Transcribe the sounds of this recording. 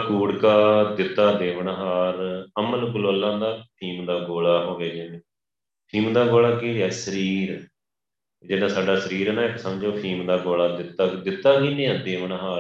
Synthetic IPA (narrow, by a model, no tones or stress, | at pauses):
kuːɽkaːd̪ɪt̪ːaːd̪eːʋəɳɦaːɾəməlɡʊloːəlːãːd̪aːpʰiːmd̪aːɡoːlaːɦoːɡeːd͡ʒeːnẽː | pʰiːmd̪aːɡoːlaːkiːɛːsəɾiːɾ | d͡ʒɪnãːsaːɖaːsəɾiːɾnãːɪksəmd͡ʒoːpʰiːmd̪aːɡoːlaːd̪ɪt̪ːaːd̪ɪt̪ːaːkinẽːãːd̪eːʋəɳɦaː